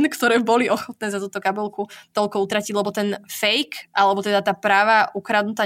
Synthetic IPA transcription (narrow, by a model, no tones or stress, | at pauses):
nkt̪ɔɾɛːbɔliɔxɔt̪nɛːzat̪uːt̪ɔkabɔlkut̪ɔlkɔut̪ɾaciɟlɛbɔt̪ɛnfɛjkʔalɛbɔt̪ɛd̪at̪aːpɾaːʋaʔukɾad̪nut̪aː